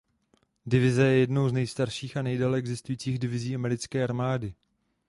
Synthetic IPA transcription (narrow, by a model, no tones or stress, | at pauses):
dɪvɪzɛjɛjɛdno̞wznɛjst̪aɾʃiːxanɛjdɛlɛɛɡzɪst̪ujiːt͡siːɣdɪvɪziːʔamɛɾɪt͡skɛːʔaɾmaːdɪ